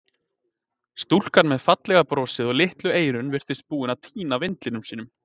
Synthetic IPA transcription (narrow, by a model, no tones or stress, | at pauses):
st̪ul̥kanmɛðfat̪lɛɣapɾɔːsɪðɔɣlɪht̪lʏeːjɾʏnvɪr̥t̪ɪst̪̚puːɪnawt̪ʰiːnavɪnt̪lɪnʏmsiːnʏm